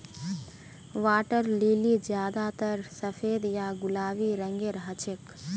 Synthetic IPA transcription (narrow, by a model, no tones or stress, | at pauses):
ʋaːʈəɾlilid͡ʒjaːd̪at̪əɾsəpʰeːd̪jaɡʊlaːʋiɾə̃ŋɡeɾɦət͡ʃʰek